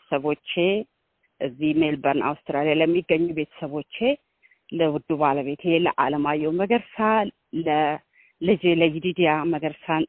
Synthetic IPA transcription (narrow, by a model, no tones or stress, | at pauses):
səβo̞t͡ʃːe̞ | ʔɨzːihmelbəɾnʔa̰wst̪ɾalijaləmːiɡːəɲːube̞t̪ʰə̥səβo̞t͡ʃːe̞ | ləwʊd̪ːubaləβe̞t̪ʰelə̰ʔaləmajːɛwməɡəɾsa | lə | lɨd͡ʒeləɡid̪id̪ijaməɡəɾsan